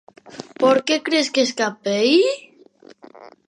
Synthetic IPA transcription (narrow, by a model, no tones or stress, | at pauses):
poɾkekɾeskeskapej